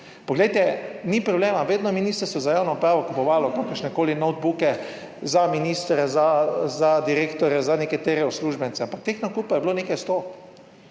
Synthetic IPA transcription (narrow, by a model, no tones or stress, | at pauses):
pɔɡlɛjt̪ɛnipɾɔbleːmaʋeːd̪nɔminist̪ɾɛsɔzajaːwnɔupɾaːʋɔkupɔʋaːlɔkokəɾʃnɛkoːlinɔwd̪̚bukɛ | zaminiːst̪ɾɛzazad̪iɾeːkt̪ɔɾɛzanɛkat̪eːɾɛusluːʒbjɛnsɛampak̚t̪eːxnɔkupajɛbloneːkajst̪o